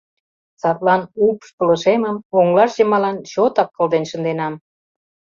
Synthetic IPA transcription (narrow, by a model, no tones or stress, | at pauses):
sɑt̪lɑnupʃpələ̆ʃeməmoŋlɑʃʑemɑlɑnt͡ɕot̪ɑkːəld̪enʃə̆nd̪enɑm